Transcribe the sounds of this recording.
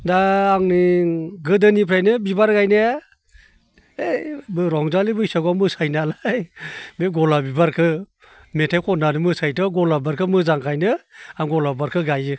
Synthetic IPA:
daːŋniɡɯdɯnipʰɾajnɯbibaɾɡajnɯa | ebɯɾɔŋzalibɯjsaɡamɯsajnalajbeɡɔlabibaɾkʰɯ | metʰajkʰɔnanɯmɯsajtʰɯɡɔlabaɾkʰɯmɯzaŋkʰajnɯaŋɡɔlabaɾkʰɯɡajɯ

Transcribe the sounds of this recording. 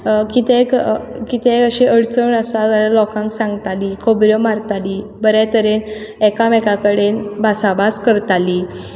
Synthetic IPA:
kit̪ekkit̪ẽkəɕeʔəɽt͡səɳəsaalalɔkãŋksãŋɡt̪alikʰobɾəmaɾt̪alibəɾat̪əɾenɛkamɛkakəɽenbʱasabaskəɾt̪ali

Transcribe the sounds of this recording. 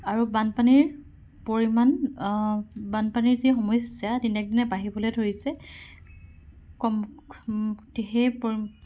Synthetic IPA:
aɹubanpaniɹ | poɹiman | banpaniɹzixɔmɔjsijadinɛk̚dinɛbaɦibɔlojdʱoɹisɛ | kɔm | tiɦejpoɹi

